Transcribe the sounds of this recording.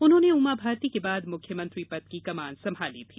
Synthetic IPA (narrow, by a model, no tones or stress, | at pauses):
ʊnɦõːneuːmabʱaːɾt̪ikebaːd̪mʊkʰjəmɐ̃nt̪ɾipɐt̪kikɐmaːnsɐ̃mbʱaːlit̪ʰiː